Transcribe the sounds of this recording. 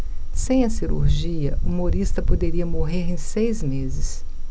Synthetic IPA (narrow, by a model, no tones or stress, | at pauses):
sẽj̃ɐsiɾṵɾʒiɐ̰umoɾist̪ɐpod̪eɾiɐmoɦeɾẽj̃sejzmezɪs